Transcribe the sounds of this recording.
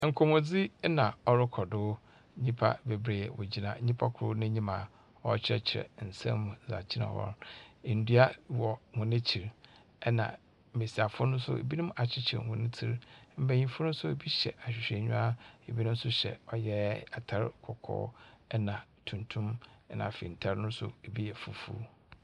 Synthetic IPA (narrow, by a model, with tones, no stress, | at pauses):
ŋ̩˨kʰo˨mʊ̃˨d͡zi˦nã˨ɔ˦ɾʊ˦kʰɔ˨dʊ˦ | ɲĩ˦pʰa̰˦be˨bɾeː˨wo̰˨d͡ʑi˨nã˨˦ɲĩ˦pʰa˦kʰʊ˨ɾʊ˦nɪ̃˦ɲĩ˦mã˨ | ɔ˦t͡ɕʰɪ˦ɾɛ̰˨t͡ɕʰɪ˨ɾɛ̰˨n̩˨sɛ̰̃˦mːũ˨za̰˨t͡ɕʰɪ˦nã̰˨wɔ̰˦ɾn̩˨dɥa˦wɔ˨hʊ̃˨nɪ̃˦t͡ɕʰi˨ɾ | ɛ˦nã̰˨ | me˨si˨a˨fʊ˦nʊ̃˦sʊ̰˦ḛ˨bi˦nʊ̃˦ma˨t͡ɕʰɪ˦t͡ɕʰɪ˨ɾhʊ̃˨nɪ̃˦tʰi˦ɾm̩˨bæ̃˨ɲĩ˦fʊ˦nʊ̃˦sʊ˦e˨bi˦ɕɛ̰˨ʔa˨ɕᶣɪ˨ɕᶣɛ˨ɲᶣũ˦a˦e˨bi˦nʊ̃˦m̩˦sʊ˦ɕɛ̰˨ɔ˦jɛ˦a˨tʰa˨ɾkʰɔ˨kʰɔ̰ː˦ɛ˦nã˨tʰũ˨ntʰʊ̃˦m˦nã̰˨fḭ̃˨n̩˨tʰa˨ɾnʊ̃˦sʊ̰˦e˨bi˦jɛ˨fu˨fṵ˦